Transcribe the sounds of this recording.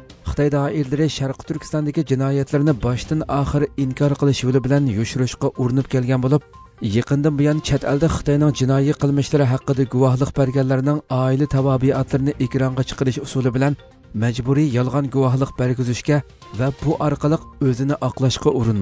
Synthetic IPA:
χə̥t̪ʰɑjd̪ɑːʔiɾlɪɾɪʃæɾqə̥t̪ʰyɾkʲi̥st̪ɑnd̪ɪkʲid͡ʒinɑːjɛt̪ʰlɪɾɪnɪbɑʃt̪ɨnɑːχəɾɨiŋkʰɑɾqʰəlˠɨʃjulˠɪbɪlɛnjuʃuɾuʃqɑʔuɾunupkʲʰɛlɡʲɛnbolˠup̚ | jeqənd̪ɨnbojɑnt͡ʃʰɛt̪ʰɛ̰ld̪ɪχə̥t̪ɑjnɨŋd͡ʒinɑːjiqəlˠmɨʃlˠɪɾɪɦæqːəd̪ɪɡuwɑɦlˠəqbæɾɡʲɛlːɪɾɪnɪŋɑːilɪt̪ʰɛwɑːbɨɑt̪ʰlˠɨɾɪnɨʔekʲɾɑɴʁɑt͡ʃʰə̥qəɾɨʃusulˠɨbɪlɛn | mɛd͡ʒbuɾijɑlˠʁɑnɡuwɑɦlˠəq̚b̥æɾɡʲyzyʃkʲɛ | vɛbuʔɑɾqəlˠəqøzɪnɪʔɑqlˠɑʃqɑʔuɾunm

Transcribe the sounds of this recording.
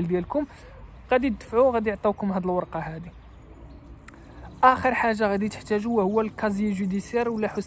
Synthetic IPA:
ld̪jælkʊm | ɣæd̪id̪ːəfʕuɣæd̪ijʕt̪ˤːɑkʊmɦæd̪əlwɑɾˤqɑhæd̪i | ʔæxəɾˤħaʒːaɣæd̪it̪ə̥ħt̪æʒuwhʊwːælkɑzijʒud̪isjæɾwlːæħʊs

